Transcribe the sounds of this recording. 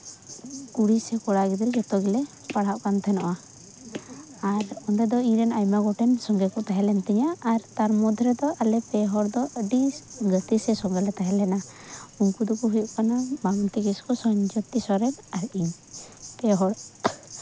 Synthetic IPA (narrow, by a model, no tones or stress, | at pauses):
kuɽisɛkɔɽaɡid̪ild͡ʒɛt̪ɔɡɛlɛ | paɽɦaʔkant̪ʰɛnɔʔa | aɾɔnd̪ɛd̪ɔiɾɛnajmaɡɔʈɛnsɔŋɡɛkɔt̪aɦɛlɛnt̪iɲaːɾt̪aɾmɔd̪ʱɾɛd̪ɔʔalɛpɛɦɔɽd̪ɔʔəɖiɡət̪isɛsɔŋɡalɛt̪aɦɛlɛna | uŋkud̪ukuɦujuʔkanabaŋnt̪iɡɛskɔsɔɲd͡ʒɔt̪isɔɾɛnaɾiɲ | pɛɦɔɽ